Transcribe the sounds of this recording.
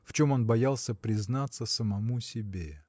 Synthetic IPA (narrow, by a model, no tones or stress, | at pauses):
ft͡ɕo̞mo̞nbɐjalˠsʲəpɾʲɪznat̪sːəsəmɐmusʲɪbʲe